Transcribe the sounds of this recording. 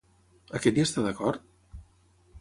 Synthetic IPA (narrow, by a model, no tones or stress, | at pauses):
əkɛt̪d̪iest̪aðəkɔɾt̪̚